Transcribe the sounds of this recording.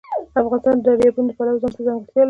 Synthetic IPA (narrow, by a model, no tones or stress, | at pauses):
afɣɑnɪst̪ɑnd̪ədabjebund̪əpalawzɑnt̪əzaŋɡət̪jɑl